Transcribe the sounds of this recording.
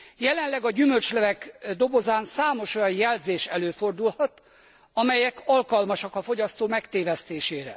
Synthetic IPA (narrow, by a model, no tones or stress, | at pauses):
jɛlɛnlɛɡɒɟymølt͡ʃlɛvɛkd̪o̞bo̞zaːnsaːmoʃo̞jɒnjɛlzeːʃɛløːfo̞rd̪ulhɒt̪ | ɒmɛjɛkʰɒlkɒlmɒʃɒkɒfo̞ɟɒst̪oːmɛkt̪eːvɛst̪eːʃeːɾɛ̰